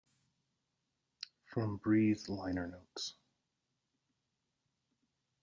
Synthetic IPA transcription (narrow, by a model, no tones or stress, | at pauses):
fɹʌ̃mbɹiðlãɪ̃nə˞noʊts